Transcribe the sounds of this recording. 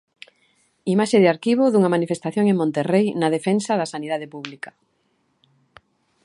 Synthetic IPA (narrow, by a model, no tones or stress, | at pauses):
imaʃeðɪaɾkiβ̞oðuŋamanifest̪aθjoŋeŋmõnt̪erejnað̞efensaðasaniðaðepuβlikɐ